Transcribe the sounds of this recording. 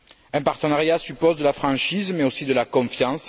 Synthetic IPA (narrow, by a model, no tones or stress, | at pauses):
ɛ̃paʁt̪ənaʁjasypɔzd̪əlafχɑ̃ʃizmɛosid̪əlakɔ̃fjɑ̃s